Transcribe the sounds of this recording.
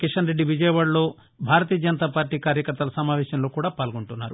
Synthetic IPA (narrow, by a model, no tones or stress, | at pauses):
kiʂɐnɾe̞ɖːiʋid͡ʒɐjɐʋaːɽlo̞ː | bʱaːɾɐt̪iːjɐd͡ʒɐnɐt̪aːpaːɾʈiːkaːɾjɐkɐɾt̪ɐlɐsɐmaːʋɛːʃɐmlo̞ːkuːɽaːpaːlɡoɳʈunːa̰ːɾu